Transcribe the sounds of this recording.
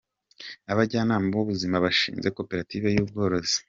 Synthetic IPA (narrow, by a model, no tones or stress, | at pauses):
aβaɟaːnaːmaoβuzimaβaʃḭːnze̞ko̞pe̞ɾatiːve̞juːbɡo̞ːɾo̞zi̥